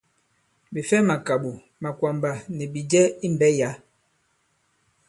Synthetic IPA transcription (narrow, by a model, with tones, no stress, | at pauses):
bi˨fɛ˦ma˨ka˨ɓu˨ | ma˨kwa˨mba˨nɛ˨bi˨d͡ʒɛ˦i˦m˨bɛ˦ja˨˦